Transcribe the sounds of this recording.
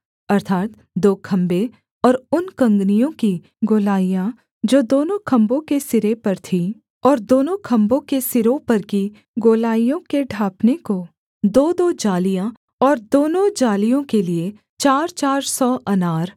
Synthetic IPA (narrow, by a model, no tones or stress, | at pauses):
ɐɾt̪ʰaːt̪ | d̪oːkʰɐ̃mbe | ɔːɾʊnkɐ̃ŋɡnijõki | ɡoːlaːijã | d͡ʒoːd̪oːnõkʰɐ̃mbõkesɪɾepɐɾt̪ʰi | ɔːɾd̪oːnõkʰɐ̃mbõkesɪɾõpɐɾki | ɡoːlaːijõkeɖʱaːpneko | d̪oːd̪oːd͡ʒaːlijã | ɔːɾd̪oːnõd͡ʒaːlijõkelie | t͡ʃaːɾt͡ʃaːɾsɔʔɐnaːɾ